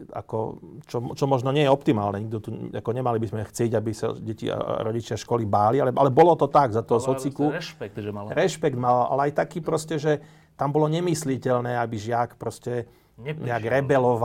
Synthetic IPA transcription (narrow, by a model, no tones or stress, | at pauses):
a̰kɔ̰t͡ʃɔmt͡ʃɔmɔʒnɔɲɪɛjɛɔpt̪ima̰ːlnɛɲiɡd̪ɔt̪ua̰kɔɲɛmalibizmɛxt͡sɪɛɟabisa̰ɟɛcḭa̰ɾɔɟit͡ʃɪaʃkɔlibaːlialɛʔalɛbɔlɔt̪ɔt̪aɡzat̪ɔɦɔsɔt͡sikupɛk̪ʒaɾɛʃpɛɡd̪malɔʔa̰lɛajt̪akiːpɾɔscɛʒɛ | t̪ambɔlɔɲɛmislicɛʎnɛːabiʒɪakpɾɔscɛ | ɲɛaɡɾɛbɛlɔʋa